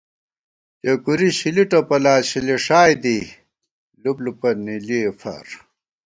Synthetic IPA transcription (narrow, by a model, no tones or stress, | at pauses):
jɐkuɾiɕiliʈopɐlaːɕileʂaːjd̪i | lublupɐniliefɐ̰ɾ